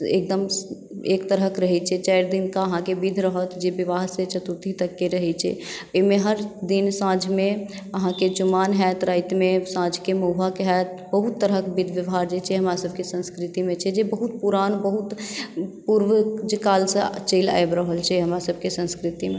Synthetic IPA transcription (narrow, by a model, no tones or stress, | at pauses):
ḛk̚d̪əm | ekt̪əɾɦəkɾəɦɛt͡ʃʰɛt͡ʃajɾd̪inkaəɦãkebid̪ʱɾəɦət̪d͡ʒebiʋaɦset͡ʃət̪ut̪it̪əkːeɾəɦɛt͡ʃʰɛ̰oimeɦəɾd̪insãd͡ʒʱme | əɦãked͡ʒumanɦɛt̪ɾat̪mesãd͡ʒʱkeməuɦakeɦɛt̪̚bəɦut̪ːəɾəkbid̪ʱʋiʋaɾd͡ʒet͡ʃʰɛɦəmɾasəb̚ʱkesə̃nskɾit̪imet͡ʃʰɛd͡ʒebəɦut̪̚puɾanbəɦut̪ | puɾʋəd͡ʒekalsə̃t͡ʃela̰jbɾəɦəlt͡ʃʰɛɦəmɾasəbʱkesə̃nskɾit̪ime